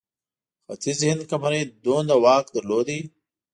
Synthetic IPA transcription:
xat̪ʰizhɪnd̪kɐmɐɾid̪oːnd̪awɑːkd̪əɾloːd̪i

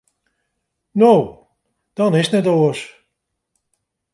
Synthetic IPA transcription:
now | d̥ɔnɪsnɛtoəs

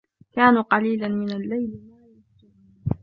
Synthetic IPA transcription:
kaːnuqɑliːlanmɪnalːajlɪmaːjatɪ

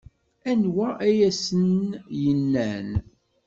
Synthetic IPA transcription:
ænwæʔæjæsənjənːæn

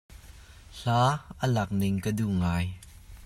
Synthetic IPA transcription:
ɬaːʔəlɐk̚nɪŋkəduʔŋaːj

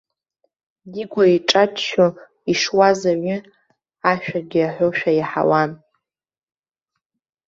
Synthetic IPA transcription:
diɡʷaiʈ͡ʂʼatʰʃo | iʂwazaɥʏ | aʃᶣaɡʲɪaħʷᶣoʃᶣajiħa̰wan

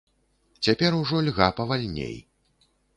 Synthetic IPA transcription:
t͡sʲapʲɛɾuʐɔlʲɣapɐvalʲnʲḛj

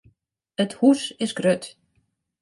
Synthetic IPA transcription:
əthusɪsɡrøt

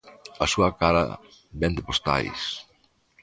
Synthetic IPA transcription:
ɐsuɐkaɾɐ̰ | bɛnd̪ɪpost̪a̰js

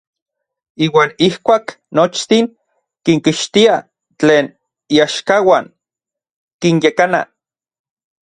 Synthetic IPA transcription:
iːwaːnihkʷaːk | not͡ʃt̪iŋ | kiŋkiʃt̪ia | t͡ɬeːn | iaʃkawaːn | kinjekana̰

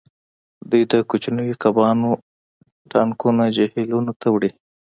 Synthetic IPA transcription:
d̪ujd̪əkut͡ʃnuwikabɑno | ʈɑŋkunad͡ʒehelunot̪ʰawɽi

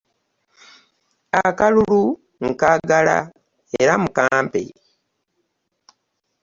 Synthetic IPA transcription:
akalulu | ŋkaɡala̰ | eɾamukaːmpḛ

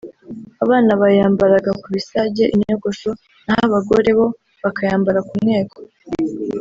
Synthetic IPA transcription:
aβaːnaβajaːmbaɾaɡakuβisaɟe̞ʔiɲoɡo̞ʃo̞ | nahaβaɡo̞ɾe̞βo̞ | βakajaːmbaɾakumŋe̞ːkʰo̥

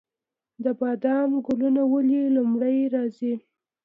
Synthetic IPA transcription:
d̪əbɑd̪ɑmɡʊlunawəlilʊmɽajɾɑzi

